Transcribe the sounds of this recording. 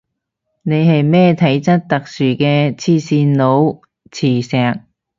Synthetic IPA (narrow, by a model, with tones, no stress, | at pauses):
ne˨˧jɦɐ˨jmɛː˥˩t̪ʰɐ˨˥jt͡sɐ˥t̚t̪ɐ˨k̚syː˨˩kɛː˧t͡sʰiː˧siː˧nlo˨˧˥w | t͡sʰiː˨˩sɛː˨k̚